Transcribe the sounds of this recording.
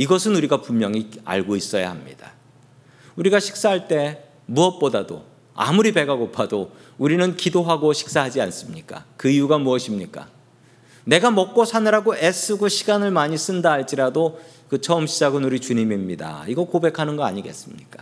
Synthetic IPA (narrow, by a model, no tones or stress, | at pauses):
iɡʌsʰɯnuɾiɡapummjʌŋia̰ɭɡois͈ʌja̰hamɲḭd̥a | uɾiɡaɕʰi̥k̚s͈aɦaɭt͈e̞ | muʌt̚p͈odado̰ | a̰muɾipe̞ɡaɡopʰado | uɾinɯnkidoɦaɡoɕʰi̥k̚s͈aɦad͡ʑians͈ɯmɲik͈a̰kɯiuɡamuʌɕʰimɲik͈a̰ | ne̞ɡamʌk̚k͈osʰanɯɾaɡoʔes͈ʰɯɡoɕʰiɡanɯɭmaɲis͈ɯndaːɭt͡ɕ͈iɾado | kɯt͡ɕʰʌɯmɕʰid͡ʑaɡɯnuɾit͡ɕuɲimimɲida̰iɡʌkobe̞kʰanɯnɡʌa̰ɲiɡe̞̰s͈ɯmɲik͈ḁ